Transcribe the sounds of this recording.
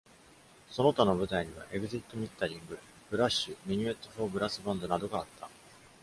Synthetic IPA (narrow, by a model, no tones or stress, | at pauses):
so̞no̞t̪ano̞bɯ̟t̪aiɲ̟iβa̰ʔe̞ɡɯ̟ʑit̪ːo̞mʲit̪ːaɾʲĩŋɡɯ̟ | b̥ɯ̟ɾaɕːɨmʲiɲ̟ie̞t̪ːoɸo̞ːbɯ̟ɾasɨbãnd̪o̞nad̪o̞ɡaːt̪ʰːḁ